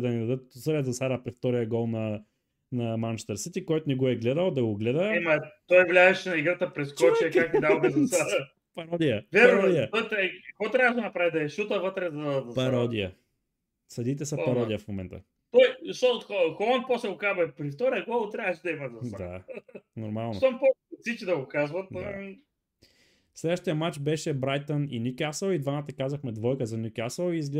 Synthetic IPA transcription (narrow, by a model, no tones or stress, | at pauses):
d̪ɐnid̪ɐd̪ət̪səɾjəzɐsaɾapɾift̪ɔɾijəɡɔlˠnɐ | nɐmant͡ʃt̪ɛɾsit̪ikɔjt̪ʊnɛɡoɛɡlɛd̪əlˠd̪ɐɡoɡlɛd̪əɛmɐt̪ɔjvlʲaɛʃɛnɐiɡɾat̪əpɾɛskɔt͡ʃiɐkaknd̪amɛzɐsa | pɐɾɔd̪ijəvʲɛɾɾɔd̪ijət̪ɔjt̪ɛkɐkvɔt̪ɾʲavəʃ̬d̪nɐpɾavid̪ɐɛʃut̪əvɤt̪ɾɛzɐɐzɐpɐɾɔd̪ijə | sɐd̪it̪ɛsəpɐɾɔd̪ʲiəfmomɛ̰nt̪ə̰ | t̪ɔjzɐʃt̪ɔxxolˠant̪̚pɔsɛɡʊkabɛpɾift̪ɔɾiɐɡɔlˠt̪ɾʲjavəʃɛd̪ɐimɐzɐsad̪a̰noɾmalˠnoompɔsit͡ʃid̪ɐɡʊkazvɐt̪d | slɛd̪əʃt̪iəmat͡ʃbɛʃɛbɾajt̪onḭnʲikʲasəwid̪vanat̪əkazɐəxmɛd̪vɔjkəzɐnikʲasəwiːzɡl